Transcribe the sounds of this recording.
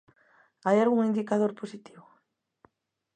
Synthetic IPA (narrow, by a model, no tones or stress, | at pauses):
ajaɾuŋind̪ikaðoɾposit̪iβo